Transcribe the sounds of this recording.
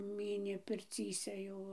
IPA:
ˈmʲiːnʲeː pʲɪrʲˈt͡sʲiːsʲɛ ˈjɛʊ

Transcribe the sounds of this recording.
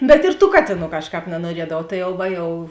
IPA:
bʲɛt ɪr tuː ˈkɑːtʲeːˌnuː ˈkɑːʃˌkɑːp nɐnuɔˈrʲiɛdɐʋɐʊ ˈtɐɪ jɛʊ ˈʋɐ jɛʊ

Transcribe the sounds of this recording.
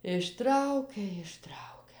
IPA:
ɪʃˈtrɐʊkʲɛ ɪʃˈtrɐʊkʲɛ

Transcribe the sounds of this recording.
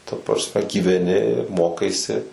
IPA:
tɐ prɐsʲˈmʲɛ ɡʲiːʋʲɛˈnʲɪ ˈmoːkɐɪsʲɪ

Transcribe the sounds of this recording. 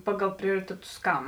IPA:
ˈpɑːˌɡɐlˠ ˈpʲrʲoːrʲɪtʲɛˌtʊs ˈkɐm

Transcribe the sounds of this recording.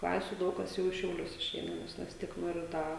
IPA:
ˈklˠɑːsʲʊ ˈdɐʊk kɐs ˈjɛʊ ɪ ʃʲɛʊˈlʲʊs ɪʃʲˈɛɪnɐ ˈnʲɛs ʋʲɪs ˈtʲiɛk ˈnoːrʲɪ ˈdɐ

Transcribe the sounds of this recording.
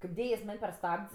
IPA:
kɐɪp ˈdʲeːjɛ jɪs ˈmɐnʲ pʲɛr ˈstɐpʲtʲsʲ

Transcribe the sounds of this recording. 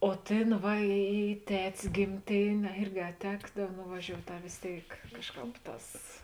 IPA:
oː ˈtʲeːn ˈʋɐ iː iː ˈtʲɛtʲs ɡʲɪmʲˈtʲeːnʲeː ɐ ˈɪrʲɡʲɪ ɐ ˈtʲæːɡdɐw nʊʋɐˈʒʲoːʊtʲ ɐ ʋʲeːs ˈtʲeːɪk ˈkɑːʃˌkɑːp ˈtɑːs

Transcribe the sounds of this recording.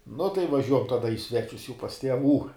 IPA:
nʊ tɐɪ ʋɐˈʒʲuɔjɛm ˈtɑːdɐ ɪ ˈsʲʋʲæːt͡ʃʲʊs jɛʊ pɐs tʲiɛˈʋuː

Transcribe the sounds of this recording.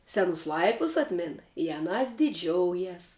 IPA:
ˈsʲæːnʊs ˈlˠɐɪkʊs ˈɑːtʲmʲɪn ɪ ɐˈnɑːs dʲɪˈd͡ʒʲoːʊjɛs

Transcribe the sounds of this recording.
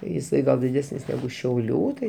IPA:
jɪˈsɐɪ ˈɡɐlˠ dʲɪˈdʲæːsʲnʲɪs nʲɛˈɡʊ ʃʲɛʊˈlʲuː tɐɪ

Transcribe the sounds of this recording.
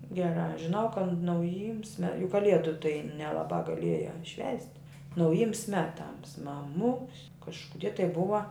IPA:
ɡʲɛˈrɑː ʒʲɪˈnɐʊ kɐt nɐʊˈjiːms mʲɛ jʊk kɐˈlʲiɛdʊ tɐɪ nʲɛlˠɐˈbɑː ɡɐˈlʲiɛjæː ʃʲʋʲæːsʲtʲ nɐʊˈjiːms ˈmʲæːˌtɐms mɐˈmʊks kɐʃkʊˈdʲiɛ tɐɪ ˈbʊʋɐ

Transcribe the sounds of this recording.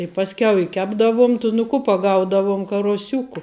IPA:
ɪ ˈpɑːsʲkʲɛʊ ɪ ˈkʲæːbdɐʋʊm tʊ nʊ ˈkʊ pɐˈɡɐʊdɐʋʊm kɐruɔˈsʲʊkʊ

